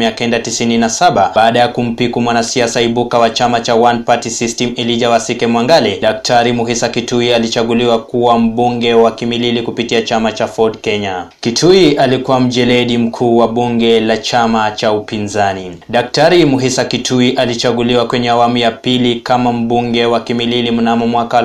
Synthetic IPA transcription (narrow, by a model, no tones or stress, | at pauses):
miakɛndatisininasaɓaaːɗajakum̩pikumwanasiasaiɓukawat͡ʃamat͡ʃawanpatisistɛmiliʄawasikɛmwaŋɡalɛɗak̚tʰaɾimuɦisakituialit͡ʃaɠuliwakuwam̩ɓuŋɡɛwakimililikupitiat͡ʃamat͡ʃafɔdkɛɲakitʰuialikuwam̩ʄɛlɛɗim̩kʰuːwaɓuŋɡɛlat͡ʃamat͡ʃaupinzaniɗak̚taɾimuɦisakitʰuiʔalit͡ʃaɠuliwakwɛɲɛawamujapilikamam̩ɓuŋɡɛwakimililimunamumwaka